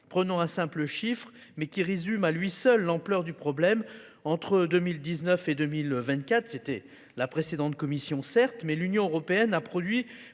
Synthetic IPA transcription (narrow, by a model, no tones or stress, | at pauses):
pχənɔ̃ɛ̃sɛ̃pləʃifχ | mɛkʲiʁezymalɥisœlːɑ̃plœʁd̪ypχɔblɛm | ɑ̃t̪χəd̪ømild̪iznœfed̪ømilvɛ̃t̪̚kʲat̪χset̪ɛ | lapχesed̪ɑ̃t̪̚kɔmisjɔ̃sɛʁt̪mɛlynjɔ̃øʁɔpeɛnapχɔd̪ɥi